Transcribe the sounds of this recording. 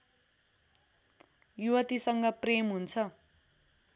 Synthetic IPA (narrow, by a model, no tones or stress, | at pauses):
juwʌt̪isʌŋɡʌpremɦunt͡sʰʌ